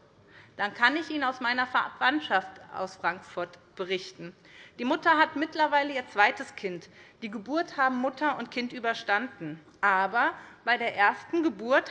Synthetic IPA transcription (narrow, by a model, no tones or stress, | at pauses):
d̥ankʰanɪçiːnaʊsmaɪnɐfvantʃaftʔa̰ʊsfʁ̥aŋkfʊɐtb̥əʁɪçtn̩ | d̥iːmʊtɐɦatmɪtlɐvaɪləiːɐt͡sv̥aɪtəskʰɪntd̥iːɡəbuːɐthaːbm̩mːʊtʰɐʊntkʰɪntʔyːbɐʃtandn̩ | ʔaːbɐb̥aɪɾeːɐʔeːɐstn̩ɡəbuɐt